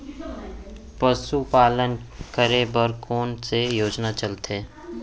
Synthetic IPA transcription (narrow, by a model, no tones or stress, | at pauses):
pəsupaːlənkəɾebəɾkʰoːnsejoːd͡ʒnat͡ʃəlt̪ẽː